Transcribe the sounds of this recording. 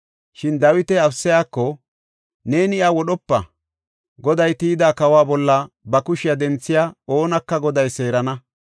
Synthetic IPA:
ʃɪnd̪ɐwɪt̪ɛɐfsːɪjaːkːɔ | ne̞ːnɪawɔɗɔpːɐ | ɡɔd̪ɐjt̪iːd̪aːkɐwaːbɔlːɐ | bɐkʊʃɪjad̪ɛnt͡sːɪjaːoːnɐkːɐɡɔd̪ɐjse̞ːɾɐnɐ

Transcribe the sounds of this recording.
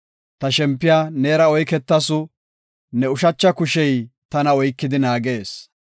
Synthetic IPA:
t̪ɐʃɛmpːɪjaːneːɾɐɔjkɛt̪ːɐsʊ | nɛʊʃɐt͡ʃːɐkʊʃɛjt̪ɐnɐɔjkːɪd̪ɪnaːɡe̞ːs

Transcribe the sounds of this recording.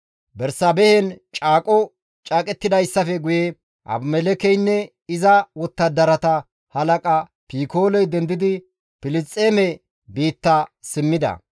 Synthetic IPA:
bɛɾsɐbɛhɛnt͡ʃʼaːkʼɔ | t͡ʃʼaːkʼɛt̪ːɪd̪ɐjsːɐfɛɡʊjɛ | ʔɐ̰bmɛlɛkɛjnːɛ | ɪzɐwɔt̪ːɐd̪ɐɾɐt̪ɐ | hɐlɐkʼɐ | piːkoːlɔjd̪ɛnd̪ɪd̪ɪ | pɪlɪt͡sʼːeːmɛ | biːt̪ːɐsɪmːɪd̪ɐ̰

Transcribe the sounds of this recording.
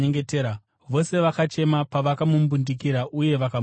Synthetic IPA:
eŋɡeteːɾa | ʋo̞se̞ʋakat͡ʃe̞mapaʋakamumbundik̬iɾaʔuje̞ʋaka

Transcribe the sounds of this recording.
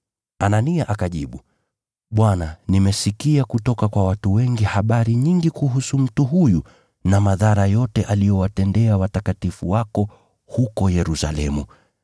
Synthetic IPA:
ananiaʔakaʄḭɓu | ɓwananimɛsikiakutɔkakwawatuwɛŋɡihaɓaɾiɲiŋɡikuɦusum̩tuɦuju | namaðaɾajɔtɛʔalijɔwatɛndɛawatakatifuwakɔ | hukɔjɛɾusa̰lɛmu

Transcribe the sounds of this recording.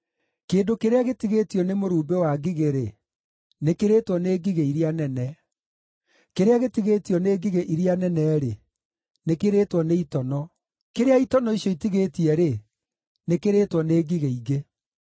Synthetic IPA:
keːndokeɾeaɣetiɣeːtjɔnemoɾuːbewaɡiɣeɾe | nekeɾeːtwɔneːɡiɣeiɾeanɛnɛ | keɾeaɣetiɣeːtiɔneːɡiɣeʔiɾianɛnɛɾe | nekeɾeːtwɔneitɔnɔ | keɾeaitɔnɔiɕjɔitiɣetiɛɾe | nekeɾeːtwɔneːɡiɣeiɣe

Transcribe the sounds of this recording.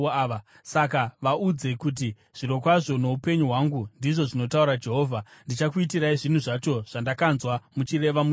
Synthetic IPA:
a | sakaʋaud͡ze̞kut̬i | ʐ̥iɾo̞kwaʐo̞no̞upe̞ɲuɦwaŋɡundiʐo̞ʐino̞tauɾad͡ʒe̞ɦo̞ːvʱandit͡ʃakuitiɾaiʐin̤uʐat͡ʃo̞ʐ̥andakanzwamut͡ʃire̞ʋamu

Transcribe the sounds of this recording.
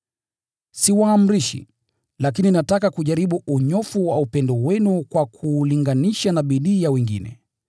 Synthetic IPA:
siwaːm̩ɾiʃḭ | lak̬ininatakakuʄaɾiɓuʔuɲɔfuwaupɛndɔwɛnukwakʰuliŋɡaniʃanaɓiɗiːjawɛŋɡḭnɛ̰

